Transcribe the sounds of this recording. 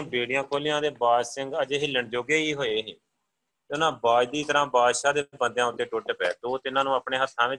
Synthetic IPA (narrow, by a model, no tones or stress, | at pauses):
beːɽɪjãːkʰoːlɪjãːd̪eːbaːsɪ̃ŋɡəd͡ʒeːɦɪlːəɳd͡ʒoːɡeːiːɦoːeːɦeː | ʊnãːbaːd͡ʒd̪iːt̪əɾãːbaːd̪ʃaːd̪eːbə̃nd̪jãːʊt̪ːeːʈoːʈeːpɛ̰ːt̪oːt̪ɪnãːnũːaːpɳeːɦət̪ʰːãːʋɪ